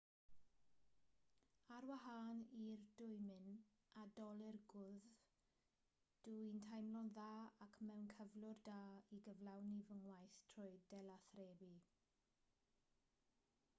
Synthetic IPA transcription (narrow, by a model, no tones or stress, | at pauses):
aɾwaɦaːnirdʊjmɪn | adɔlˠɪrɡʊð | d̥uintʰajmlɔnðaːakʰmɛwnkʰəvlʊrdaːiɡəvlˠawnivəŋwajθtʰrɔjdɛlaθreːbi